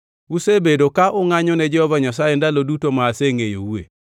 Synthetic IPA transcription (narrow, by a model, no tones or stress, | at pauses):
usebedokaʔʊŋaɲɔnɛd͡ʒɛhɔvaɲasajendalodutomaːseŋejo̰wḛ